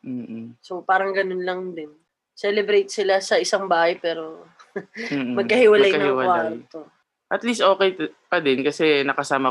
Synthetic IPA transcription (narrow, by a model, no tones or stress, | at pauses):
m̩ːsopaːɾɐŋɡɐnonlɐŋd̪ɪn | sɛlɛbɾejt̪̚sɪlasɐʔɪsaŋbaːhɐjpɛːɾo̞ | m̩ːmɐɡ̚kːɐhɪwɐlajɐnɐɪwɐaːɾɐt̪o | ʔɐt̪list̪ʔo̞ːkɛjpɐd̪ɪnkɐsɛnɐkɐsaːmɐ